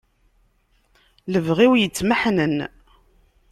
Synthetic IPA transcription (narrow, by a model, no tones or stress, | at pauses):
ləvʁiwjət͡sːməħnən